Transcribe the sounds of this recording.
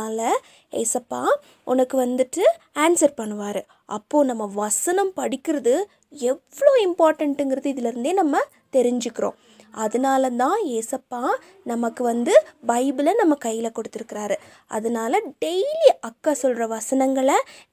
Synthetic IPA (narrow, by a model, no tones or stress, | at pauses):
aːlɐ | eːsɐpːaː | ʔʊnɐkːɯʋɐnd̪ɯʈːɯaːnsɐɾpɐɳːɯʋaːɾɯ | ʔɐpːoːnɐmːɐʋɐsɐnɐmpɐɽɪkʲːɪɾɐðɯ | ɛʋːɐɭoːɪmpaːɾʈɐɳʈɯŋɡɪɾɐðɯɪðɪlɐɾɯnd̪eːnɐmːɐ | t̪ɛɾɪɲd͡ʒɯkːɪɾõ̰ː | ɐðɐnaːlɐt̪ãːeːsɐpːaː | nɐmɐkːɯʋɐnd̪ɯbɐɪbɪlɐnɐmːɐkɐjːɪlɐkɔɽɯt̪ːɪɾɯkːɪɾaːɾɯ | ʔɐ̰ðɐnaːlɐɖɛɪliɐkːaːsɔlɾɐʋɐsɐnɐŋɡɐɭɐ